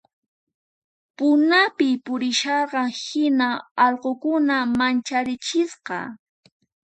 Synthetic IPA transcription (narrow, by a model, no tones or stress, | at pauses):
pʊnapɪpʊɾɪʃɑɾɢɑhɪnaɑʎqokʊnamant͡ʃaɾɪt͡ʃɪsqɑ̰